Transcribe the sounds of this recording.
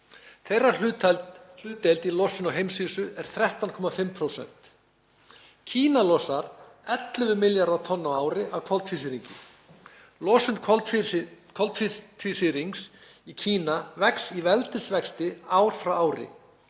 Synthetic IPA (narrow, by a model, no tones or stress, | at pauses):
θejrːḁl | l̥ʏːt̪elt̪ilɔsʏnɔɦejmsviːsʏʔɛɾ̥θɾɛht̪ankʰɔːmafɪmpʰɾowsɛ̰n̥t̪ | cʰiːnalɔsaɾ | ɛt̪lʏvʏmɪljaɾawt̪ʰɔnːaaːwɾɪavkʰɔlt̪ʰfisɪɾiɲcɪ̰ | lɔsʏnt̪ʰɔ | kʰɔlt̪ft̪ʰfisɪɾiŋks | icʰiːnavɛksivɛlt̪ɪsvɛkst̪ɪaːwɾ̥fɾawaːwɾɪ̰